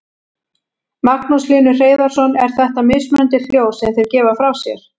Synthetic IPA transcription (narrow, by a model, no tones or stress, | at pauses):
maknusliːnʏr̥eːjðaɾ̥sɔnɛɾ̥θɛht̪amɪːsmʏnant̪ɪl̥joːwsɛmθejɾcɛːvafɾawsjɛ̰ɾ̥